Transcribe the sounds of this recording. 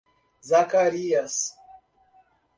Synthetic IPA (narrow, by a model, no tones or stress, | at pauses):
zakaɾijas